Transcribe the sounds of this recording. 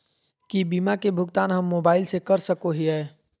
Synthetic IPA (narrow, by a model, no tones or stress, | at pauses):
kibimakebʱʊɡt̪aːnɦəmːoːbaːɪlsekəɾsəkoɦiɦɛː